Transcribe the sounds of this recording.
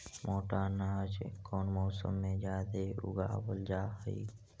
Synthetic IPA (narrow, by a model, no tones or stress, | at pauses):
mʔoːʈaːnaːd͡ʒkoːnmɔːsə̰mːẽd͡ʒaːd̪eʊ̰ɡa̰ːbəld͡ʒaːɦəḭ